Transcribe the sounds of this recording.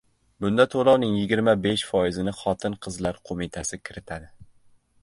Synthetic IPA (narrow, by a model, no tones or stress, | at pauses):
bʊnd̪at̪ʰolˠɒwnɪŋjɪɡʲɪɾmabeʃfɒjɪzɪnɪχɒt̪ʰɪnqʰɨzlaɾqʰomɪt̪ʰasɪkʲʰɪɾɪt̪ʰad̪ɪ